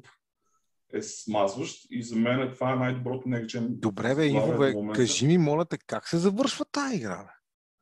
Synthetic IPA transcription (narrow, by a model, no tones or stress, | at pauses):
ɛsmazvəʃt̪izɐmɛnɛt̪ovaɛnajd̪obɾɔt̪ʊnɛkt͡ʃɛnd̪obɾɛvɛivovɛkɐʒimimɔlʲɐt̪ɛkaksɛzɐvɤɾʃvət̪aiɡɾa̰